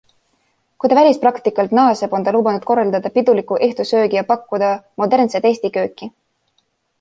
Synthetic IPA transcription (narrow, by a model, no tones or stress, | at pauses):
kujt̪ɑvælʲisprɑkt̪ikːˑɑlt̪nɑːseb̥o̞nt̪ɑluːbɑnud̪̥̚ko̞rːɑld̪ɑd̪̥ɑpid̪ulikːˑuʔeht̪usø̞ːɡijɑpɑkːud̪̥ɑmo̞d̪e̞rnset̪e̞ːsʲt̪ikø̞ːkːi